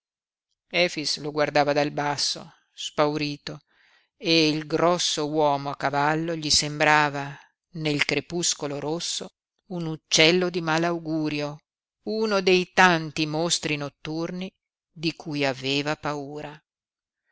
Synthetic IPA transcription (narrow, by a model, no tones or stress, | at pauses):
ɛːfisloɡward̪aːvad̪albasːo̰ | spawɾiːt̪o | eilɡɾɔsːowɔːmoakːavalːoʎisembɾaːva | nelkɾepuskoloɾosːo | unut͡ʃːɛlːod̪imaːlawɡuːɾjo | unod̪ejt̪ant̪imost̪ɾinot̪ːurni | d̪ikʰuːjaveːvapauːɾa